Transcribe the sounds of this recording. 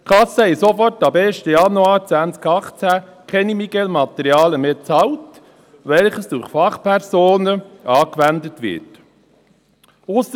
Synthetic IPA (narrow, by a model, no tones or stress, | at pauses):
kʰɑsəhɛɪsofɔrtɑbeːʃtəjɑnuɑːɾt͡sʋænt͡skɑχt͡sækʰɛnimiɡɛlmɑt̪ɛɾjɑːləmeːt͡sɑlt | ʋɛlχəsd̥ʊɾχfɑχpʰɛɾzoːnəʔɑːkʋændətʋɪ̰t | ʊs